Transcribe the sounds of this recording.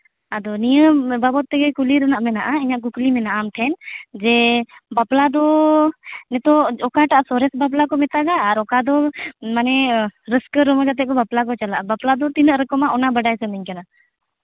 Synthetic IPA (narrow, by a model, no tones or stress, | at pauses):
ad̪ɔnijəbabɔt̪ːɛɡɛkuliɾənaʔmɛnaʔaiɲaʔkuklimɛnaʔamʈʰɛnd͡ʒɛbaplad̪ɔ | nɛt̪ɔɔkaʈaʔasɔɾɛsbaplakɔmɛt̪aɡaːɾɔkad̪ɔmanɛɾəskəɾɔmɔd͡ʒat̪̬ɛʔ̚kɔbaplak̬ɔt͡ʃalaʔabaplad̪ɔt̪inəʔɾəkɔmaʔɔnabəɖajsənəɲkana